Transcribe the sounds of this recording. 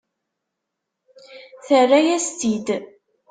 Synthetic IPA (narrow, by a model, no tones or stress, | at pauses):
θərːæjæst̪id̪